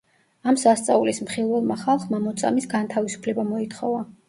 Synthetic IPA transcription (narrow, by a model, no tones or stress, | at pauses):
amsast̪sʼaulismχilˠvɛlˠmaχalˠχmamɔt̪sʼa̰misɡant̪ʰavisu̥pʰlɛbamɔit̪ʰχɔva